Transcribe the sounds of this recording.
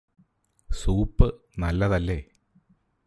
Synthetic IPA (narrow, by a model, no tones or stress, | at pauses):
suːpːɨ | nɐlːɐðɐlːe̞